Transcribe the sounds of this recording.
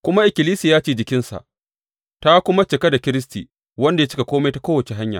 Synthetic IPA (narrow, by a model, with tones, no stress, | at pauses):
kʷʊ˦ma˦ʔɪ˨kʲɪ˨liː˦siː˨jaː˦t͡ʃeː˦˨d͡ʒɪ˨kʲɪ˦nsa̰˨ʔ | ta˦kʷʊ˦ma˦t͡ʃɪ˨ka˦da˨kʲɪ˦ɾɪ˦stḭː˨ | wɐ˦nda˨ja˦t͡ʃɪ˦ka˨kʷoː˦ma˦jta˦koː˦wɐ˨t͡ʃe˦ɦa˦ɲja̰ː˨